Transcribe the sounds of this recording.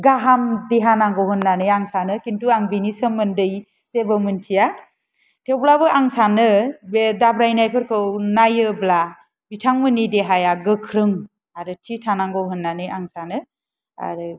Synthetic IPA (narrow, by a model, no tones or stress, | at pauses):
ɡaɦamdiɦanaŋɡɯwɦɯnːanɯjaŋsanɯkintuaŋbinisɯmːɯndɯj | sebɯmɯntʰija | tʰewblabɯʔaŋsanɯbedabɾajnajpʰɯɾkʰɯwnajɯbla | bitʰaŋmɯnideɦajaɡɯkʰɾɯŋ | aɾɯtʰitʰanaŋɡɯwɦɯnːanɯjaŋsanɯ | a̰ɾɯ